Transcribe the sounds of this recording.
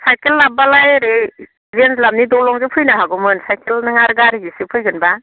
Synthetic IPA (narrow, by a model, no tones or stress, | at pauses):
sajkelːabalajɾe | zenslam̚nidɔlɔŋzɯpʰɯjnaɦaɡɔmɯnsajkʰelnɯŋaɾɡaɾiɡisɯpʰɯjɡɯnba